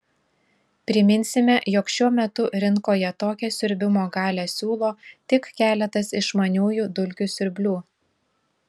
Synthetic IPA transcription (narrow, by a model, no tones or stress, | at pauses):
pʲɾʲɪmʲɪnʲsʲɪmʲɛjɔkʃʲuɔmʲɛt̪ʊɾʲɪŋkoːjɛt̪oːkʲɛsʲʊɾʲbʲɪmoːɡɑːlʲɛsʲuːlˠoːt̪ʲɪkkʲæːlʲɛt̪ɐsɪʃmɐnʲuːjuːd̪ʊlʲkʲʊsʲʊɾʲbʲlʲuː